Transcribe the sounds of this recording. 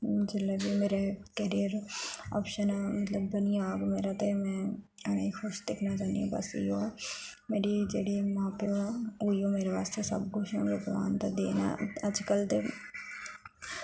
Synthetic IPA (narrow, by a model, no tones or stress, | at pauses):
d͡ʒɪlːebimeːɾekəɾijəɾɔ̰ːpʃənamɐt̪ləbːɐnijãɡmeːɾat̪emɛ̃ː | ɐnḛixʰʊʃd̪ɪkʰnat͡ʃãːnd̪ḭũbɐ̰sḭjo | meːɾid͡ʒḛːɽimãːpeɦuːijomeːɾeʋaːst̪esɐ̰bkʊʃõɾɪɡʋa̰ːnt̪ad̪eːna̰ɐd͡ʒkəlt̪e